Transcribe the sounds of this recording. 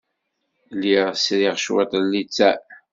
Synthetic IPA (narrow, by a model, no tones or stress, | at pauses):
liʁsɾiʁʃwḛt̪ˤlːit͡sːæ